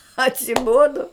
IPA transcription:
ɐtʲsʲɪˈboːdoː

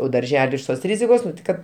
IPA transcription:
oː dɐrʲˈʒʲæːlʲɪ ɪʃ ˈtoːs ˈrʲɪzʲɪkoːs ˈkɐt

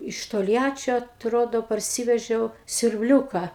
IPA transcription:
ɪʃ toːlʲˈjæːt͡ʃʲoː ɐtˈroːdoː pɐrʲˈsʲiːʋʲɛʒʲɛʊ sʲʊrʲbʲˈlʲuːkɐ

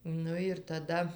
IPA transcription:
ˈnʊ ɪr tɐˈdɐ

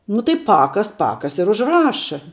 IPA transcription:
nʊ tɐɪ ˈpɑːkɐs ˈpɑːkɐs ɪr ʊʒˈrɑːʃɐ

